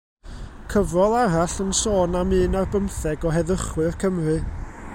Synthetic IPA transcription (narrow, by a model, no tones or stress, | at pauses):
kʰəvɔlˠaɾaɬənsoːnamɨːnarbəmθɛɡɔɦɛðəχwɨrkʰəmrɨ